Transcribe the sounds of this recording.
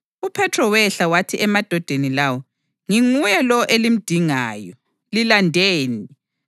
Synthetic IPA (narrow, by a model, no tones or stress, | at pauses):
upʰɛtʰrɔwɛɬawatʰiʔɛmad̥ʱɔd̥ʱenilawɔ | ŋiŋujɛlɔʔelim̩d̥ʱiŋa̰ːjɔ | lilandʱeːni